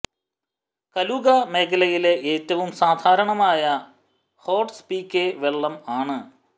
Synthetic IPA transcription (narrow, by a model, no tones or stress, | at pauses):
kɐluɣɐme̞ːkʰɐlɐjileʔeːtːɐʋumsaːd̪ʱaːɾɐɳɐmaːjɐ | ho̞ːʈspiːkːeʋe̞ɭːɐmaːɳɨ